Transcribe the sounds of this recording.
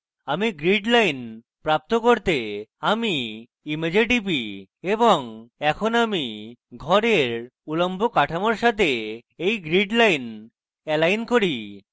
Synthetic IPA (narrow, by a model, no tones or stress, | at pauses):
amiɡɾiɖlajn | pɾap̚t̪okoɾt̪eami | imed͡ʑeʈipi | eboŋɛkʰonamiɡʱɔɾeɾulombʱokaʈʰamoɾʃat̪ʰeejɡɾiɖlajn | ɛlajnkoɾi